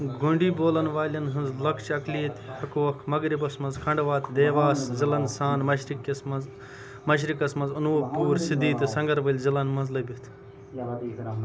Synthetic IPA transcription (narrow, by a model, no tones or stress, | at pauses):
ɡuɳɖiːboːlɐnʋaːlʲɐnɦɨnzlɐkʰt͡ʃɐkliːt̪hɐkuʋɐkʰmɐɡɾibɐsmɐnzkʰɐɳɖʋaːt̪d̪eːʋaːszilɐnsaːnmɐʃɾikːɐsmɐz | mɐʃ̬ɾikɐsmɐnzɐnuʋopuːɾsid̪iːt̪isɐ̃ŋɡɐɾbɐlʲzilɐnmɐnzlɐbʲit̪